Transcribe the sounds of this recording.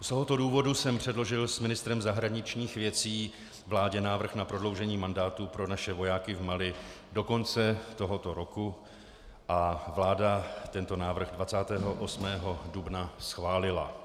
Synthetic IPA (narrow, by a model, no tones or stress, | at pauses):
st̪o̞ɦot̪o̞duːvo̞dusɛmpr̝̥ɛdlo̞ʒɪlsmɪnɪst̪ɾɛmzaɦɾaɲɪt͡ʃɲiːxvjɛt͡siː | vlaːɟɛnaːvr̩xnapɾo̞dlo̞wʒɛɲiːmandaːt̪upɾo̞naʃɛvo̞jaːkɪvmalɪ | do̞ko̞nt͡sɛt̪o̞ɦo̞t̪o̞ɾo̞ku | ʔavlaːdat̪ɛnt̪o̞naːvr̩ɣdvat͡saːt̪ɛːɦo̞ʔo̞smɛːɦo̞dubnasxvaːlɪla̰